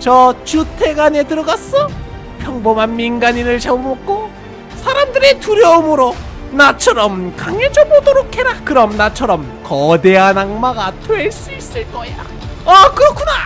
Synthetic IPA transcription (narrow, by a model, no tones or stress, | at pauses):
t͡ɕʌt͡ɕutʰe̞ɡane̞tɯɾʌɡas͈ʌ | pʰjʌŋbomanminɡaɲinɯɭt͡ɕabomok̚k͈o | sʰaɾamdɯɾetuɾjʌɯmɯɾo | nat͡ɕʰʌɾʌmkaŋed͡ʑʌbodoɾokʰe̞ɾakɯɾʌmnat͡ɕʰʌɾʌmkʌdeanaŋmaɡatweɭs͈uis͈ɯɭk͈ʌja̰ | akɯɾʌkʰuna